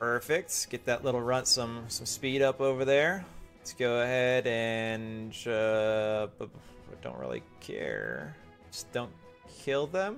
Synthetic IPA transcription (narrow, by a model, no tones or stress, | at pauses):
pʰɜ˞fɪk̚t̚ɡ̥ɛt̪̚ðɨʔlɪɾl̩ˠɹʌ̃ntsʌ̃msʌ̃mspiɾʌpoʊvə˞ðə˞ | ɡ̥oʊɨhɛɾɨ̃nd͡ʒʌ | bʌd̥õʊ̃nʔ̚ɹɪ̰lˠḭkʰɛ̰ɹ | d͡ʒ̥ʌsd̥õʊ̃n | kʰɪlˠðə̃m